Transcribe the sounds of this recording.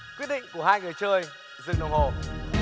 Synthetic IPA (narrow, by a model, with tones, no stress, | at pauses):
kwi˦˥t̚ɗḭ̈˧˨ŋ̟ku˧˩əhaː˧jŋɨ˨˩jt͡ɕəː˧j | zɨ̰˧˨nə˨˩ŋ͡mho˨˩